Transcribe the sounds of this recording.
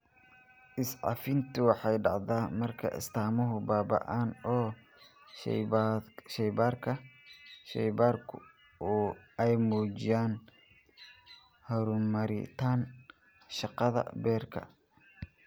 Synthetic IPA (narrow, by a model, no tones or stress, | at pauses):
ʔɪsʕɑ̰fɪnt̪ʰʊwɑħɑjɖɑʕðaːmɐrkʰɐ̰ʔɪ̰st̪ʰaːmʊɦʊbaːbɐ̰ʔaːnɔ̰ː | ʃɛjbaːrkʰɐʃɛ̰jbaːrkʰʊ̰ | uːɛjmuːt͡ʃɪjaːn | hɐɾʊmɐɾɪ̰t̪ʰaːn | ʃɑqɑðɐ̰bɛːrkʰɐ̰